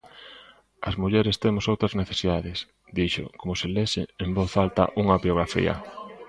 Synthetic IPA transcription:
ɐ̰zmuʎɛɾɪst̪emʊsowt̪ɾɐzneθe̥siðaðɪs | d̪iʃo̰komʊselesɪemboθalt̪ɐ̰ʔuŋɐβjoɣ̞ɾafḭɐ̰

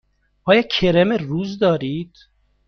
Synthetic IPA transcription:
ɒːjɒːcʲʰeɾemeruːzd̪ɒːɾiːd̪̥

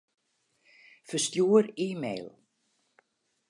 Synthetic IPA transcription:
fəstjuːəɾiːmḛjlˠ

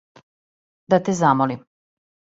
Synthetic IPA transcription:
d̪at̪ɛzamolim

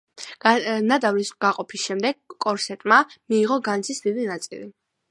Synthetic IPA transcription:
nad̪avlisɡ̥aqʼɔpʰisʃɛmd̪ɛɡ̥̚kʼɔɾsɛt̪ʼmamiːʁɔɡant̪sʰisd̪idinat̪sʼḭli

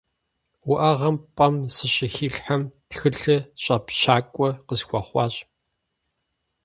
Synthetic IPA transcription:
wʊʔɐʁɐmpʼɐmsɨɕʼɪxiːɬħamtxɨɬɨɕʼɐpɕaːkʷʼɔqəsxʷɔχʷɑːɕʼ

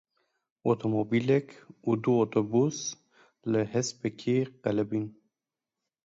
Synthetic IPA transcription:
ot̪ʰomobilɛkud̪uot̪obus | ləhɛspɛkʰeqɛlɛbin

